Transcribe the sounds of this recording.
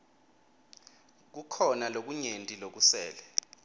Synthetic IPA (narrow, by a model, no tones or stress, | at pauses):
k̬ukʰɔnalok̬uɲentʼilok̬usɛ̰ːlɛ